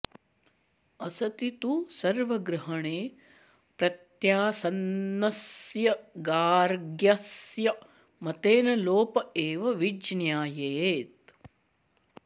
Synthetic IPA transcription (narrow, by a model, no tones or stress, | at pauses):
ɐsɐt̪it̪usɐɾʋɐɡɾɐɦɐɳeː | pɾɐt̪jaːsɐnːɐsjɐɡaːɾɡjasjɐ | mɐt̪eːnɐloːpɐeːʋɐʋid͡ʒnjaːjeːt̪̚